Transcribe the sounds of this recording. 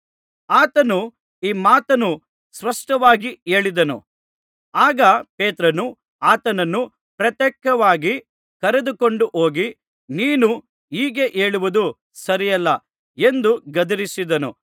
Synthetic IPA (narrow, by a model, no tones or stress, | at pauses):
aːt̪ɐnu | iːmaːt̪ɐnu | sʋɐʂʈɐʋaːɡie̞ːɭid̪ɐnṵ | aːɡɐpeːt̪ɾɐnu | aːt̪ɐnɐnːu | pɾɐt̪jɛkːɐʋaːɡi | kɐɾed̪uko̞ɳɖuʔo̞ːɡi | niːnu | iːɡe̞ʔe̞ːɭuʋud̪u | sɐɾijɐlːɐ | e̞nd̪uɡɐd̪ɐɾisid̪ɐnṵ